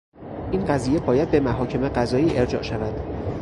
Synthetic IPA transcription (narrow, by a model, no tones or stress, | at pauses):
ʔiːnɢæziːje̞bɒːjæd̪̚be̞mæɦɒːcʰe̞meɢæzɒːiːʔeɾd͡ʒɒ̰ːʔʃævæd̪̥